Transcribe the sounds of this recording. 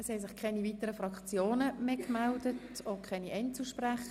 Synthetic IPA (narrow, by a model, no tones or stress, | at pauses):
ɛshɛs̬ɪχkʰɛniviːtəɾəfɾɑkt͡sjoːnəmeːkmældətokʰɛniʔɛntt͡suʃpræχə